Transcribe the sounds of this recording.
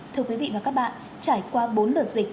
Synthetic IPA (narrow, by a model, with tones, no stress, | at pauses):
t̪ʰɨ˧əkwi˨˦vḭ˧˨vaː˨˩ka˦˥k̚ɓa̰ː˧˨n | t͡ɕaː˧˩jkwaː˧ɓo˨˦nləː˨˩t̚zï˨˩k̟̚